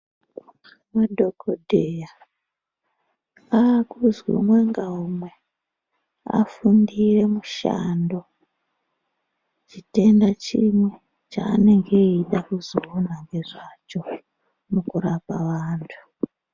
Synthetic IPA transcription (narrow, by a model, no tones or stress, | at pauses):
madʱo̞kodʱeja | aːkuzwḭmwe̞ŋɡaumwe̞ | a̰fundire̞muʃa̰ndo̞ | t͡ʃite̞ndat͡ʃimwe̞ | t͡ʃa̰ːne̞ŋɡe̞iɗakuzoonaŋɡe̞ʐat͡ʃo̞ | mukurapaʋaːntʰu̥